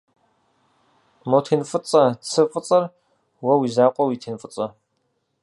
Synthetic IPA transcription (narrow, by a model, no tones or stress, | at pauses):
motʰeːnfʼɨt͡sʼɐt͡sʰɨfʼət͡sʼɐr | wɐwiːzaːqʷʼɔwiːtʰeːnfʼɨt͡sʼɐ